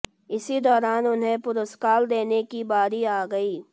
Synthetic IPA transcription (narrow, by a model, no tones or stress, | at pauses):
ɪsid̪ɔːɾaːnʊnɦẽpʊɾʊskaːld̪eːnekibaːɾiaːɡɐiː